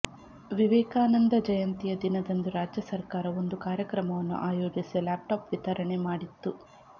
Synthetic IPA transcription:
ʋiʋɛːkaːnɐnd̪ɐd͡ʒɐjɐnt̪ijɐd̪inɐd̪ɐnd̪uɾaːd͡ʒjɐsɐɾkaːɾɐo̞nd̪ukaːɾjɐkɾɐmɐʋɐnːṵʔaːjo̞ːd͡ʒisilaːp̚ʈaːpʋit̪ɐɾɐɳemaːɽit̪ːu

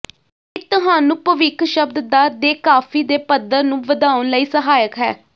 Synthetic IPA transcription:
ɪt̪ʊɦaːnʊːpəʋɪkʰʃəb̚d̪d̪aːd̪eːkaːfʰiːd̪eːpəd̪əɾnũːʋəd̪aːʊnləiːsəɦaːjəkɦɛː

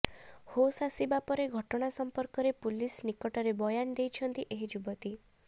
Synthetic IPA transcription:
hosasibapɔɾeɡʱɔʈɔɽ̃asɔmpɔɾkɔɾepulisnikɔʈɔɾebɔjand̪ejt͡ʃʰɔnt̪iʔeɦid͡ʒubɔt̪i

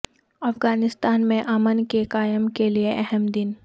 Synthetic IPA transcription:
ɐfɡaːnɪst̪aːnmẽʔaːmənkekaːjəmkelieʔɛɦəmd̪ɪn

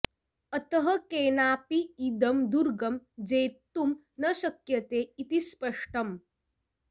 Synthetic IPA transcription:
ɐt̪əɦɐkeːnaːpiːd̪ɐmd̪uɾɡɐmd͡ʑeːt̪ːum | nɐɕɐkjɐt̪eit̪ispəʂʈɐm

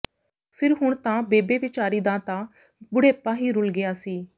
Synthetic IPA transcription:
pʰɪɾɦʊɳ̃t̪ãːbeːbeːʋɪt͡ʃaːɾiːd̪ãːt̪ãː | bʊɽeːpãːɦiːɾʊlɡɪjaːsiː

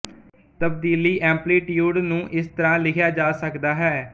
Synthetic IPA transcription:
t̪əbd̪iːliːʔɛ̃ːmpliːʈjuːɖnũːʔɪst̪əɾãːlɪkʰjaːd͡ʒaːsəkd̪aːɦɛː

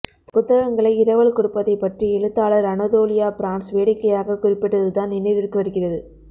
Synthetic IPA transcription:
pʊt̪ːɐɣɐŋɡɐɭɐɪɪɾɐʋɐɭkʊɽɯpːɐðɐɪpːɐʈriɛɻɯt̪ːaːɭɐɾɐnɐðoːlɪjaːpɾaːnsʋeːɽɪkːɐjaːɣɐkʊrɪpːɪʈːɐðɯt̪aːnɪnːɐɪʋɪɾkːɯʋɐɾɯɣɪrɐðɯ

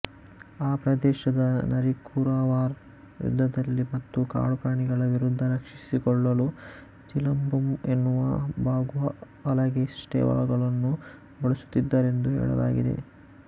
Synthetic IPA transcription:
aːpɾɐd̪ɛːʃɐd̪ɐnɐɾikʰuːɾaːʋaːɾ | jṵd̪ʱːɐd̪ɐlːimɐt̪ːuka̰ːɽukɾaːɳiɡɐɭɐʋiɾud̪ʱːɐɾɐkʂi̥sikɔɭːɐlu | t͡ʃilɐmbumenːuʋɐbʱaːɡuʋɐ | ɐlɐɡesʈḛːʋɐ̰ɭɐɡɐɭɐnːu | bɐɭɐsu̥t̪ːid̪ːaːɾe̞nd̪uɦɛ̰ːɭɐ̰la̰ːɡḭd̪e̞̰

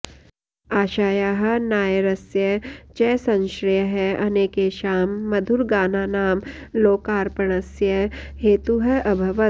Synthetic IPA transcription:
aːʃaːjaːɦɐ̆naːjɾɐsjɐt͡ʃɛːsɐ̃nʃɾɪjəɦɛɐneːkeːʃaːmːɐd̪ʱuɾɡaːnaːnaːmloːkaːɾpɐɳɐsjɐheːt̪uɦɐʔɐbʱɐʋɐ

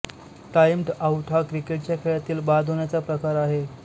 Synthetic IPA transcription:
ʈajmʈawʈʰakɾikeʈ̚t͡ɕjakʰeɭjat̪iːlbad̪ʱɦonjat͡sapɾəkaɾaɦe

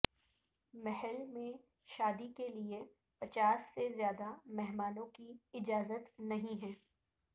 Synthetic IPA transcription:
mɛɦəlmẽ | ʃaːd̪ikelie | pɐt͡ʃaːsːezjaːd̪amɛɦmaːnõkiɪd͡ʒaːzət̪nɐɦĩɦɛ̃ː

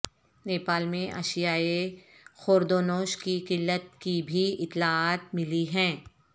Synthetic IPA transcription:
neːpaːlmẽʔɐ̰ʃijaexoːɾd̪oːnoːʃkikɪlːət̪̚kibʱiɪt̪ːlaaːt̪mɪliɦɛ̃ː

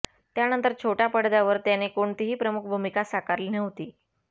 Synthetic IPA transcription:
t̪janənt̪əɾt͡ɕʰoʈjapəɽd̪aʋəɾt̪janekoɳt̪iɦiːpɾəmukʰbʱumikasakaɾliːneʋt̪iː

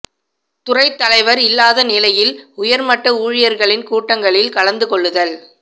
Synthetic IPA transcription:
t̪ʊrɐɪt̪ːɐlɐɪʋɐɾɪlːaːðɐnɪlɐjɪlʊjɐɾmɐʈːɐuːɻɪjɐɾɣɐɭɪnkuːʈːɐŋɡɐɭɪlkɐɭɐnd̪ɯkɔɭːɯðɐl

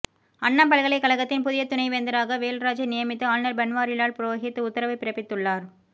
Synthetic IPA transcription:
ɐɳːɐmpɐɭɣɐɭɐɪkːɐɭɐɣɐt̪ːɪnpʊðɪjɐt̪ːʊnɐɪʋend̪ɐɾaːɣɐʋeːlɾaːd͡ʒɐnɪjɐmɪt̪ːɯaːlnɐɾbɛnʋaːɾɪlaːɭpɪɾoːɣɪt̪ːɯʊt̪ːɐɾɐʋɐɪpːɪɾɐpːɪt̪ːɯɭːaːɾ

